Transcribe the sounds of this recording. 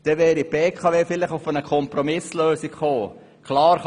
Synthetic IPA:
d̥ɛʋɛːɾipbeːkʰɑʋeːfɪlɪχʊfənəkʰɔmprɔmɪsløːsikχoː | kʰlɑːɾχ

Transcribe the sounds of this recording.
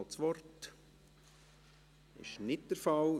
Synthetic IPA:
lt͡sʋɔrt | ɪ̰ʃnɪt̚d̥əɾfɑl

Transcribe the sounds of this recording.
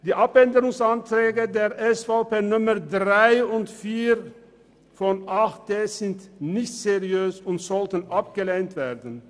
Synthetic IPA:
d̥iːʔapɛndəʁʊŋsantʁ̥ɛːɡədeːɐʔɛsfaʊpeːnʊmədʁaɪʊntfiːʁ | fɔnʔaχt̚d̥eːz̥ɪntnɪçtz̥eʁiøːsʊntz̥ɔltənʔap̚ɡ̥əleːntv̥eːɐdən̩

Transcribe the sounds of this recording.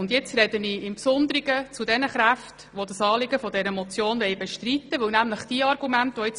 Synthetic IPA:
ʊnd̪jɪt͡sɾɛd̥əniːɪmpsʊnd̪əɾiɡət͡sudɛnəχɾæft | ʋodəsɑːlɪɡəfɔdɛɾəmɔt͡sjoːnʋɛɪbɛʃtrit̪ːəʋɵwnæmləχd̥iəɑrɡ̥umæntʋɔɪt͡s

